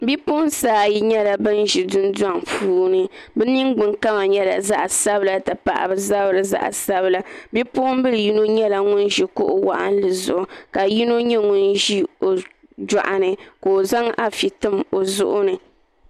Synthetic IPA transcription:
bi˦po˦ʊ˦nsaː˦ji˦ɲɛ˦la˨bɨ˦nʒi˨dʊ˦n˦da˦ŋpuː˦nɨ˨bɨ˦ni˦ŋɡ͡bɨ˨ŋka˦ma˨ɲɛ˦la̰˨za˦ʔa˨sa˦bɨ˦la˨tɨ˨pa̰˨ʔa̰˨bɨ˨za˦bɾɨ˨za̰˦˨ʔa̰˨sa˦bɨ˦la˦bi˦pʊ˦ʊ˦m˦bɨ˦lɨ˨ji˦no˦ɲɛ˦la˨ŋʊ˦nʒi˨kʊ̰˦ʔʊ̰˦wa̰˦ʔa̰˦n˦lɨ˨zʊ̰˨ʔʊ˨ka˨ji˦no˦ɲɛ˦ŋʊ˦nʒi˦o˨ | da̰˨ʔa˨nɨ˨koː˨za˦ŋa˦fi˨tɨ˦mo˨zʊ̰˦ʔʊ˦nɨ˨

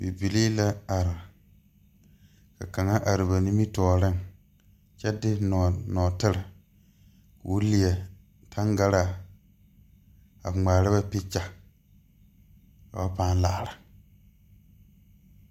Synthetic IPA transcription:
bi˨bi˨li˦la˦a˨ɾɪ˨ | ka̰˨ka˨ŋa˦ʔa˨ɾɪ˨ba˨ni˦mi˦tɔː˨ɾɪ˦ŋ | t͡ʃɛ˦dɪ˦nɔ˨nɔː˨tɪ˦ɾɪ˨ | kwu˦li˨ɛ˨ | tʰa˦ŋɡa˦ɾa˨ | a̰˨bŋ͡maː˨ɾɪ˦ba˦pi˦t͡ʃa˨ | ka˨a˦paː˦n˦la˦˨ɾa˨

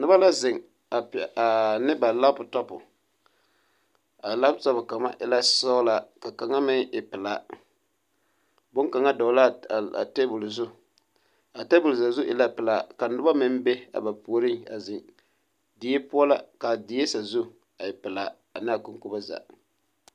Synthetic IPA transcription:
nʊ˦ba˦la˦zɪ˨ŋ | a˨pa˨nɪ˦ba˨la˦pʊ˨tɔ˦pʊ̰˨ | a˨la˦ptɔ˦pʊ˨ka˨ma̰˦ʔɪ˨la˦sa˦ʊ˦la˨ka˨ka˨ŋa˦mɪ˦ŋɪ˨pɪ˨la˨ | bʊ˦ŋka˨ŋa˦dɔ˨˦la˦˨a̰˨te˦bʊ˨lzʊ˦ | a˨te˦bʊ˨lza˨zʊ˦ʔɪ˨la˦pɪ˨la˨ka˨n˨ʊ˦ba˦mɪ˦m˦be˦a̰˨ba˨pu˨o˨ɾɪ˦a̰˨zɪ˨ŋ | dɪ˨je˦pʊ˦ɔ˦la̰˦ka˨dɪ˨je˦sa˨zʊ˦ | a˨ɪ˨pɪ˨la˨ | a˨na˦a˨kʊ˦ŋkʊ˦ba˦za̰˨

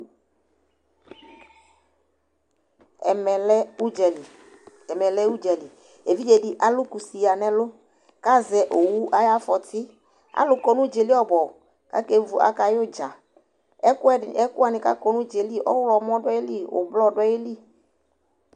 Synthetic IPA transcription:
ɛ˨mɛ˨lɛ˦u˦d͡ʒɛ˨li˨ | ɛ˨mɛ˨lɛ˦u˦d͡ʒɛ˨li˨ | e˨vi˦d͡ʒe˨dɪ˦ʔa˨lʊ˦ku˨si˨ja˨nɛ˦lʊ˦ | ka˦zɛ˨ʔo˨wu˦ʔa˦ja˦fɔ˨tɪ˦ | a̰˦lʊ˨kɔ˨nʊ˦d͡ʒe˨li˦ɔ˦bɔ˨ | ka̰˨˦ke˦vu˨ʔa̰˨ka˨jʊ˦d͡ʒa˨ | ɛ˦kʊ˦ɛ˦˨ɛ˦kʊ˦a˨nɪ˨ka̰˦kɔ˨nʊ̃˦d͡ʒe˨li˦ʔɔ̰˦wlɔ˨mɔ˦dɛ˦e˦li˦ʊ̰˨blɔ˦˨dɛ˦e˦li˦

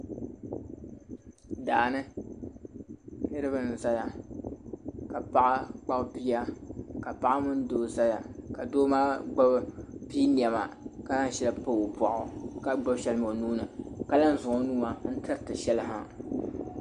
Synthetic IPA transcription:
daː˨nɨ˦ | hɪ˦ɾɨ˦bɨ˨nɨ˨za˦ja˨ | ka˨pa˦ʔa˦k͡pa˦bbi˦ja˦ka˨pa˦ʔa˦mʊ˦n˦doː˦za˦ja˨ka˨doː˦maː˦ɡ͡ba˦bbiː˦ni˨ɛ˨ma˨ka˦la˦n˦˨ʃɛ˦la˨pa˦o˨pɔ˨ʔʊ˨ka˦ɡ͡ba˦bʃɛ˦lmo˨nuː˦nɨ˨ka˦la˦n˦zʊ˨o˦nu˦a˨n̩˦tɨ˦ɾɨ˨tɨ˨ʃɛ˦lɨ˦ɦa˦

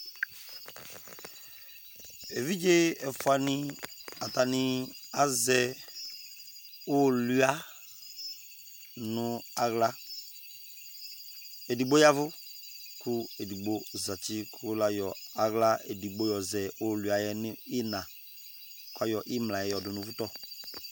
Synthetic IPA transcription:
e˨vi˦d͡ʒe˦ɛ˨fʊ˨˦a˨nɪ̃˦a˨ta˨nɪ˦a˨zɛ˨ | o˦lu˦a˦ | nʊ˦a˨ɣla˦ | e˨di˨ɡ͡bo˦ja˦vʊ˦kʊ˦e˨di˨ɡ͡bo˦za˨t͡ʃɪ˦kʰʊ˦la˦jɔ˨a˨ɣla˦e˨di˨ɡ͡bo˦jɔ˨zɛ˨o˦˨lu˨a˨jɛ˦nɪ˦ɪ˦nã˨ | kʊ˦a˦jɔ˨ʔɪ˦mlã˨jɛ˨jɔ˨dʊ˨nʊ̃˨vu˦tɔ˦

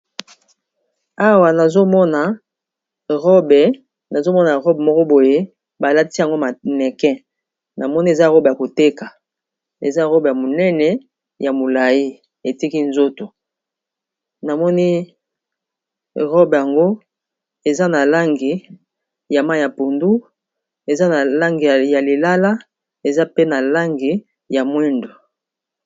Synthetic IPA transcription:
a˦wa˨na˨zo˦mɔ˦na˨ | ʁɔ˦bɛ˨ | na˨zo˦mɔ˦na˨ʁɔ˦bmɔ˦kɔ˦bo˨je˦ | ba˨la˦ti˦ja˨ŋɡo˦ma˨mɛ˨kɛ̃˦ | na˨mɔ˦ni˦e˨za˦˨ʁɔ˦ba˨ko˨te˦ka˨ | ḛ˨za˦˨ʁɔ˦bja˨mo˨nɛ˦nɛ˨ | ja˨mo˨la˨ji˦ | e˨ti˦ki˦nzo˦to˨ | na˨mɔ˦ni˦ | ʁɔ˦bja˨ŋɡo˦ | e˨za˦na˨la˦ŋɡi˨ | ja˨ma˦˨ja˨po˨ndu˦ | e˨za˦na˨la˦ŋɡi˨ja˨le˨la˦la˦ | e˨za˦pe˦na˨la˦ŋɡi˨ | ja˨mwɛ˦ndo˨

